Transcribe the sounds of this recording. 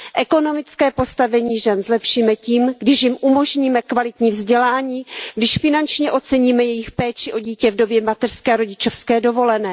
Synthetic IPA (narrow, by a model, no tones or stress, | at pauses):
ʔɛko̞no̞mɪt͡skɛːpo̞st̪avɛɲiːʒɛnzlɛpʃiːmɛciːmɡdɪʃjɪmʔumo̞ʒɲiːmɛkvalɪt̪ɲiːvzɟɛlaːɲiːɡdɪʃfɪnant͡ʃɲɛʔo̞t͡sɛɲiːmɛjɛjɪxpɛːt͡ʃɪʔo̞ɟiːcɛvdo̞bjɛmat̪ɛr̥skɛːɾo̞ɟɪt͡ʃofskɛːdo̞vo̞lɛnɛː